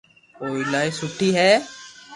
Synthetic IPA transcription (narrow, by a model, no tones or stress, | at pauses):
oːilaːisʊʈʰiːɦɛː